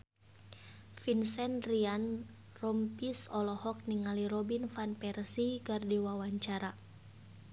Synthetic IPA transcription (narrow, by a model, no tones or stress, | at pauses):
finsɛnrian | rɔmpisɔlɔhɔk̚niŋaliɾɔbinfanpɛrsikardiwawaɲt͡ʃaɾa